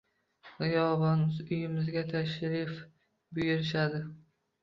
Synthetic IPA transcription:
ʁɪjɒvɒnmɪzʊjɪmɪzɡʲat̪ʰaʃɾɪf | bʊjɪɾɪʃ̬ad̪ɪ

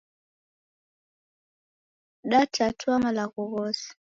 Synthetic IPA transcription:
ɗatʰatwamalaɣuɣɔsi̥

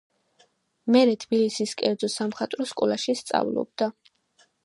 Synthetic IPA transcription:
mɛɾɛt̪ʰbilisiskʼɛɾd̪zɔsamχat̪ʼɾɔskʼɔlˠaʃist̪sʼa̰vlˠɔ̰b̚d̪a

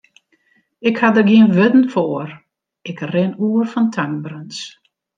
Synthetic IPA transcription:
ɪkhadərɡiənʋødn̩foər | ɪkrɪnuːərfɔntʰaŋbrəns

